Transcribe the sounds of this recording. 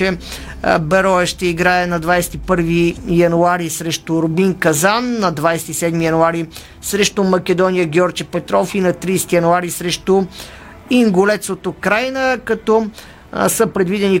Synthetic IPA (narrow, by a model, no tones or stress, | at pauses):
ɛ | bɛɾɔɛʃt̪ɛiɡɾaɛnɐd̪vajsɛ̥t̪ipɤɾvijɐnuaɾisɾɛʃt̪ʊɾʊbiŋkɐzanːɐd̪vajsɛ̥t̪isɛd̪mijɐnuaɾi | sɾɛʃt̪omɐkʲɛd̪ɔnijəɡʲɛɔɾt͡ʃəpɛt̪ɾɔfinɐt̪ɾijsɛ̥t̪ijɐnuaɾisɾɛʃt̪o | iŋɡolɛt̪sot̪okɾajnəkɐt̪ɔ | səpɾɛd̪vid̪ɛni